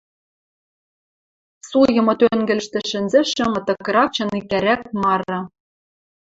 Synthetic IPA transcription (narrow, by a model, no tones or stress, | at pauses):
sujɤ̆mɤ̆t̪øŋɡɘ̆lɘʃt̪ɘ̆ʃɘ̆nzɘ̆ʃɘ̆mɤ̆t̪ɤ̆kɤ̆ɾɑk̚t͡ɕɤ̆nikæɾæk̚mɑɾɤ̆